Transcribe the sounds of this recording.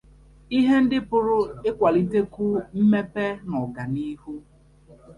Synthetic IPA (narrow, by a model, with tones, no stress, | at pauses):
i˦ɦe˦n̩˦dɪ˦pʊ˦ɾʊ˦ɪ˦kʷa˨li˦te˦kʊ˦m̩˦me˦pe˦nɔ˨ɡa˨ni˦ɦu˦